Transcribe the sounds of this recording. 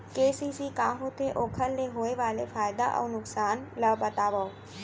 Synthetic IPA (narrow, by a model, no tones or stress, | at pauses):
keːsiːsikãːɦot̪ʰeʔoːkʰəlːeɦoːeʋaːlefaːjd̪a̰ʔɐ̰wnʊksaːnlɐbɐt̪aːʋə